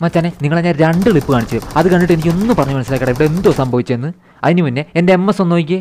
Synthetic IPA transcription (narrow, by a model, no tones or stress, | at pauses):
mat͡ɕaːnːeniŋːɐɭeɲːaːnɾeɳɖɨɭipːɨkaːɳit͡ɕːejmɐðɨkɐɳːiʈːe̞nikʲːo̞nːɨpɐrɐɲːumɐnɐsilakːɐɽɐeʋiɽeend̪oːsɐmbʱɐʋit͡ɕːɐenːɨ | ɐðinɨpinːe̞endeemːɐsonːoːjikʲːɨ